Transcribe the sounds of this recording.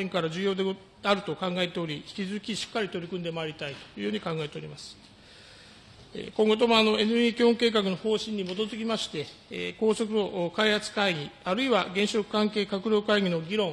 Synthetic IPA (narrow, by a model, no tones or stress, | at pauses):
ẽ̞ŋkaɾaʑɨːjo̞ːd̪e | aɾɯ̟t̪o̞kãŋɡae̞t̪e̞o̞ɾʲiçi̥kʲizɨzɨkʲiɕi̥kːaɾʲit̪o̞ɾʲikɯ̟nd̪e̞maːɾʲit̪ait̪o̥jɯ̟ːjo̞ːɲikãŋɡae̞t̪e̞o̞ɾʲimasɨ̥ | ḛkõ̞ŋɡot̪o̞moano̞e̞nɯiːkʲioŋke̞ːk̬akɯ̟no̞ho̞ːɕĩɲ̟ːimo̞d̪o̞zɨɡʲimaɕi̥t̪e̞ | ko̞ːso̞kɯo̞ʔkaihat͡sɨ̥kaiɲ̟iaɾɯ̟iβaɡẽ̞ɰ̃ɕo̞kɯ̟̥kãŋke̞ːkakɯ̟ɾʲo̞ːkaiɡʲino̞ɡʲiɾõ̞ŋ